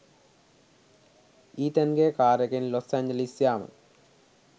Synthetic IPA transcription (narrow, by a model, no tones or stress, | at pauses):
iːt̪ɐnɡeːkaːɾɐɣinlosaːɲd͡ʑɐlisjaːmɐ̰